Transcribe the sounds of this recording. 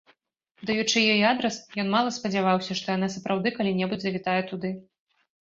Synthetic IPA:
d̪ajut͡ʂɨjɔjiad̪ɾɐsjɔnmalˠɐspɐd͡zʲavawsʲɐʂt̪ɔjanas̬ɐpɾawd̪ɨkalʲinʲɛbud͡zʲzɐvʲit̪ajɛt̪ud̪ɨ

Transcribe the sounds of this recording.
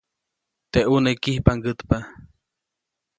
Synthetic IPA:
t̪eʔunekihpaŋɡət̪pa

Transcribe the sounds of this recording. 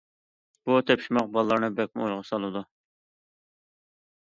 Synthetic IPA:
b̥ut̪ʰɛpʃimɑq̚bɑlˠːɑɾnɨbɛk̚ʲmɪojʁɑsɑlˠɨd̪u

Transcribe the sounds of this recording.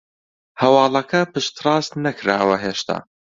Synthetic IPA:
hɐwɑːlˠɐkʰɐpɨʃt̪ɾɑːst̪nɐkɾaːwɐɦeːʃt̪ʰa̰ː

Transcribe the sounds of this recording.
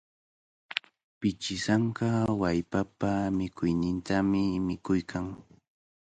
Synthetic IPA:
pɪt͡ʃɪsaɴkɑwajpapamɪkʊjnɪnt̪amɪmɪkʊjkʰaŋ

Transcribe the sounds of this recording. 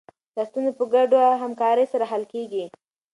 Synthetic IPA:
d̪ast̪unzopəɡaɖoɦamkɑɾəjsaɾaɦalkeɡi

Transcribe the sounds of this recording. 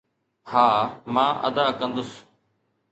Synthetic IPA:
haːmãːʔə̰d̪aːkə̃nd̪ʊs

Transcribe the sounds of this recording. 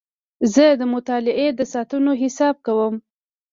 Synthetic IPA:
zəd̪əmʊt̪ɑlɪʔed̪əsɑt̪unoɦɪsɑb̚kawəm

